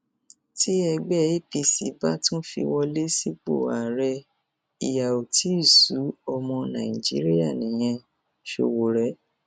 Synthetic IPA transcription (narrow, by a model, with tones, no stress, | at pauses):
ti˦ɛ˧ɡ͡bɛ˦˨i˦pi˧si˨˦ba˦tũ˦fḭ˧wɔ˧le˦si˦k͡po̰˦˨a̰˨ɾɛ˧ | i˨ja˨o˨tʰi˨˦i˦˨su˨˦ɔ˧mɔ̃˧nã˨i˨d͡ʒḭ˨˦ɾi˦ja˦˨nĩ˨j̃ɛ̃˧ | ʃo̰˧˨wo˨ɾɛ˨˦